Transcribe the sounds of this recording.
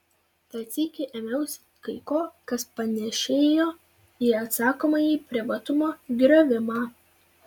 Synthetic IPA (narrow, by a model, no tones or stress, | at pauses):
t̪ɐt̪sʲiːkʲɪʔɛːmʲɛʊsʲ | kɐɪkoːkɐspɐnʲɛʃʲeːjoː | iːɐt̪sɑːkoːmɐjiːpʲɾʲɪʋɐt̪ʊmoːɡʲɾʲoːʋʲɪmɑː